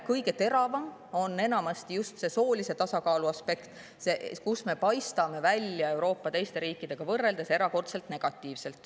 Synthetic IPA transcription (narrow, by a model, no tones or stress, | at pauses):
kɤjɡe̞t̪e̞ɾɑvɑm | o̞nːe̞nɑmɑst̪ijust̪se̞so̞ːlʲise̞t̪ɑsɑkɑːluɑspe̞kt̪ | sekusme̞pɑjst̪ɑme̞vælʲjɑe̞wɾo̞ːpːɑt̪e̞jst̪e̞ɾiːkːˑid̪̥e̞ɡ̥ɑvɤrːe̞ld̪e̞se̞ɾɑko̞rt̪se̞lt̪ne̞ɡ̥ɑt̪ˑːiːvse̞lt̪ːˑ